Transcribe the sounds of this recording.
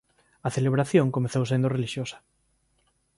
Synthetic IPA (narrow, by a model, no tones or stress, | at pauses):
ɐθeleβɾaθjõŋkomeθowsend̪oreliʃjosɐ̥